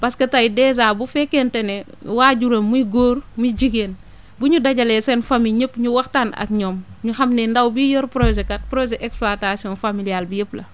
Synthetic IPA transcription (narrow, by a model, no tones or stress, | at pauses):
pɐskɐtɐjdɛːz̬aːbufɛkːentɛnɛ | waːɟuɾɐmuiɡoːɾmud͡ʒiɡeːn | buɲudɐɟɐlɛsɛnfamiɲəpɲuwɐxtaːnɐ̰k̚ɲɔːmɲuxɐmnɛndɐwbijɔɾpɾozɛkɐt̚pɾozɛʔɛkspluatasiɔnfamilialbijəplɐ̰